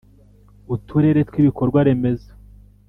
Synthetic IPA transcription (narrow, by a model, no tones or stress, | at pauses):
utʰuɾe̞ɾe̞twiβikoɾɡwaɾe̞me̞zḁ